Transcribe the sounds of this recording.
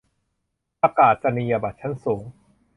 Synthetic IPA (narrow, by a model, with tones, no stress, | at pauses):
pa˧kaː˨˩t̪̚t͡ɕa˧ni˧ja˧ba˨˩t̪̚t͡ɕʰa˦˥nsoː˩˦ŋ